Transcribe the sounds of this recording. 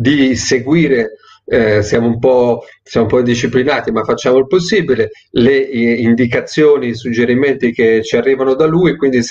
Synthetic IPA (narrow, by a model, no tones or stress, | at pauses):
d̪iseɡwiːɾe | sjaːmoumpɔsjaːmoumpɔid̪iʃiplinaːt̪imafat͡ʃːaːmoilposːiːbile | leind̪ikat̪sːjoːnisud͡ʒːeɾiment̪ik̟et͡ʃiarːiːvanod̪aluːjkwind̪is